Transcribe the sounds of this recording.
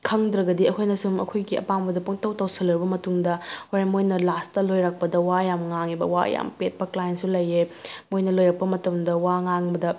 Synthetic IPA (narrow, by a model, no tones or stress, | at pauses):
kʰɐŋd̪ɾɐɡɐdiɐkʰojnɐsumɐ̰kʰojɡiɐ̰pambɐdɐpoŋtɐwtɐwsɐlɐɾbɐmɐtuŋdɐhoɾemojnɐlastɐlojɾak̚pɐdɐwajamŋaŋibɐ̰wa̰ja̰mpet̚pɐklajensulɐjːemojnɐlojɾɐk̚pɐmɐtɐmdɐwaŋaŋbɐdɐ